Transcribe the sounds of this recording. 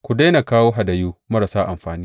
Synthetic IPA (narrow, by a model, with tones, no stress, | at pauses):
kʷu˨da˦na˨kaː˦woː˦ɦa˨da˨juː˦mɐ˦ɾa˨saː˦ʔa˨mɸaː˨niː˦